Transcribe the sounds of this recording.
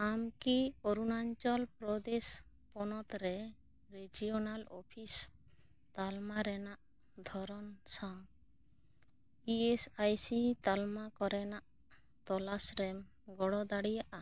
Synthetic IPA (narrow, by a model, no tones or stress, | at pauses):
amkioɾunaɲt͡ʃɔlpɾɔd̪es | pɔnɔt̪ɾɛ | ɾed͡ʒijɔnalɔpʰis | t̪almaɾɛnaʔ | d̪ʱɔɾɔnsam | iesajsit̪almakɔɾɛnaʔ | t̪ɔlasɾɛm | ɡɔɽɔd̪aɽijaʔa